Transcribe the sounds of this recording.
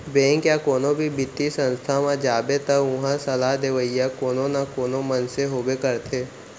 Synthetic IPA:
bẽːŋkjakoːnõbʱibɪt̪ːisə̃nst̪ʰamãd͡ʒaːbet̪əʊ̃ɦãsɐlaɦd̪eʋəijakoːnonakoːnõmənseɦoːbekəɾt̪ʰeː

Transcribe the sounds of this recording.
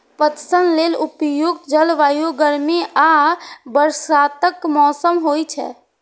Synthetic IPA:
pət̪sənlelupjuɡ̚d͡ʒəlʋajoɡəɾmeʔabəɾsat̪əkmɔsəmɦojt͡ʃʰɛ̰

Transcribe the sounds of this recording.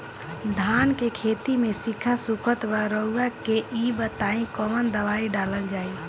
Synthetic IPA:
d̪ʱankekʰet̪imesikʰasukʰət̪baɾəuɡakeʔibət̪aĩkɔmənd̪əʋaiɖaləld͡ʒaːi

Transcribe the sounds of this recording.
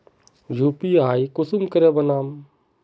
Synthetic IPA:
d͡ʒʱupiaːikusumkəɾebənaːm

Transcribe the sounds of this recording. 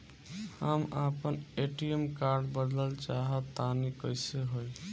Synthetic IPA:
amapəneʈiemkaɾɖbəd̪ləlt͡ʃaɦət̪ːanikəɪseɦoj

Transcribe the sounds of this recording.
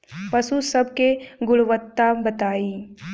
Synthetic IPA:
pɐsusɐbkeɡʊɽɭʋət̪ːabɐt̪aːiː

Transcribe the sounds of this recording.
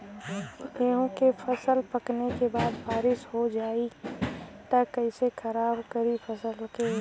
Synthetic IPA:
eːɦõkefʰɐsəlpɐknekebaːd̪baːɾɪsɦod͡ʒaːi | t̪ɐkːɐɪsekʰɐɾaːbkɐɾipʰɐsəlkeː

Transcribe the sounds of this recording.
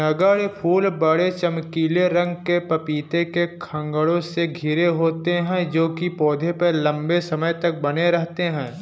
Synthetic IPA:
nɐɡəɽpʰuːlbəɽet͡ʃɐmkiːleɾɐ̃ŋɡkepɐpiːt̪ekekʰɐ̃ŋɡəɽõseɡʱɪɾeɦoːt̪eɦɛ̃d͡ʒoːkipɔːd̪ʱepəlɐ̃mbesɐməjt̪ɐk̚bɐneɾɛɦt̪eɦɛ̃ː

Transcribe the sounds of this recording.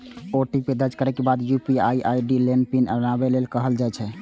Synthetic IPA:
oʈiped̪ət͡ʃkəɾɛkebad̪jupiajiʔaiɖilenpinə̰nabelelkəɦəld͡ʒaɛt͡ʃʰɛ

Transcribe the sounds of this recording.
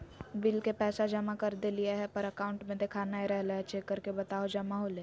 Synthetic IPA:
bɪlkepɛːsad͡ʒɐmakɐɾd̪elijaɦɛpɐɾɐkaːʊ̃ɳʈmẽd̪ekʰanaeɾɛɦlaɦɛt͡ʃeːkːəɾkebɐt̪aːod͡ʒɐmaɦoleː

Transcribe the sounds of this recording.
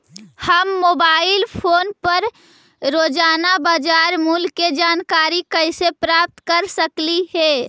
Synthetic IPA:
həmːobaɪlpʰoːnpəɾ | ɾod͡ʒanabad͡ʒaɾmulked͡ʒankaɾikəɪsepɾap̚t̪kəɾsəkliɦe

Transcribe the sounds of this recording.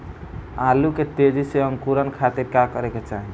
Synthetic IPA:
aluket̪ed͡ʒiseʌŋkuɾənkʰat̪iɾkakʌɾeket͡ʃaɦi

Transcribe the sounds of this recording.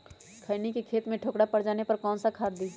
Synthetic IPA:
kʰəɪnikikʰeːt̪mẽʈʰoːkɽapɐɽd͡ʒaːnepɐɾkɔːnsakʰaːd̪̚d̪i

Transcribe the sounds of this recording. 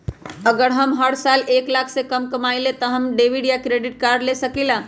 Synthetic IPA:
əɡəɾɦəmɦəɽsaleklakʰsekəmkəmaɪlet̪ɔɦəmɖeʋiɖjakɾeɖiʈ̚kaɾlesəkilã

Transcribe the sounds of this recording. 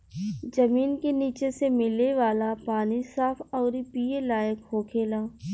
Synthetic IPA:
d͡ʒɐmiːnkeniːt͡ʃesemɪleʋaːlapaːnisaːfʰɔːɾipiːelaːjəkɦoːkʰeːlaː

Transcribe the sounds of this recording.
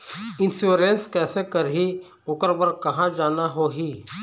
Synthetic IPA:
ɪ̃nsuɾenskɛːsekəɾɦi | ʊkəɾbəɾkɐɦãd͡ʒaːnaɦoːɦiː

